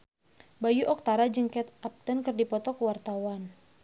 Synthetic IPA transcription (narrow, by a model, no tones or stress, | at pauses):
bajuʔɔk̚t̪aɾad͡ʒəŋkɛt̪ʔap̚t̪ənkɨrdipɔt̪ɔkəwart̪awan